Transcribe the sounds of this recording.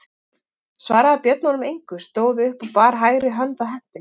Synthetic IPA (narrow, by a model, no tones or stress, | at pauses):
svaːɾaːpjœt̪nɔnʏmejŋ̥kʏst̪oːwðʏʏhpɔwpaːɾɦaːjɾɪɦœnt̪aɦɛm̥t̪ɪn